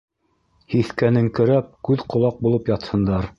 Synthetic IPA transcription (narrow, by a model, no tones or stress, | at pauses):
hiθkænɘŋkɵ̆ɾæp̚kʉðqŏlˠɑq̚bulˠɤpjɑt̪hɤ̆nd̪ɑɾ